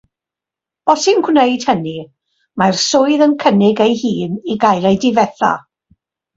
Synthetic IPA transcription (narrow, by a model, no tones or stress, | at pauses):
b̥ɔsɪnɡwnejd̥həni | marsʊɨðənkʰənɪɡejhiːniɡajlejdɪvɛθa̰